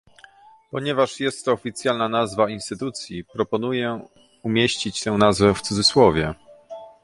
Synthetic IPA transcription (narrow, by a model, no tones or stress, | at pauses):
pɔɲɛvaʂjɛst̪ːɔːfʲit̪sʲjalnanazvainst̪ɘt̪ut̪sʲjipɾɔpɔnujɛ | umʲjeɕt͡ɕit͡ɕt̪ɛ̃w̃nazvɛft̪sud̪zɘswɔvʲjɛ